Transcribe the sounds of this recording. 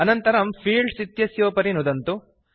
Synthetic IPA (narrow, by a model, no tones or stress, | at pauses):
ɐnɐnt̪ɐɾɐmpʰiːɭɖsit̪jɐsjoːpɐɾinud̪ɐnt̪u